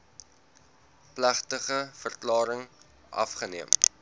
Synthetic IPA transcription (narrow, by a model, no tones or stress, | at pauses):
plæχtəχəfərklɑːɾəŋ | ʔɐ̰fχəniəm